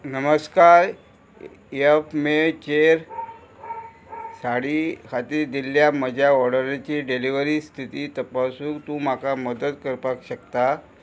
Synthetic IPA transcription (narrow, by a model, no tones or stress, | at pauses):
nəməskaɾ | efmet͡ɕeɾ | saɽiːkʰat̪iːɾd̪iljaməd͡ʑʱjaɔɽəɾat͡ɕiːɖeliʋəɾiːst̪ʰit̪iːt̪əpasũːkt̪ũːm̤akaməd̪ət̪kəɾpakɕəkt̪a